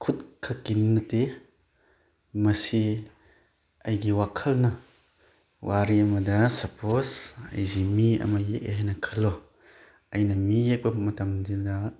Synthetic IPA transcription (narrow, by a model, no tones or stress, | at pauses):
kʰut̚kʰɐkinːɐte | mɐsi | ɐjɡiwakʰɐlnɐ | waɾiɐmɐdɐsɐpʰosɐ̰jzimiɐ̰mɐjek̚ḛɦajnɐkʰɐlːɔ | ɐjnɐmijek̚bɐmɐtɐmdidɐ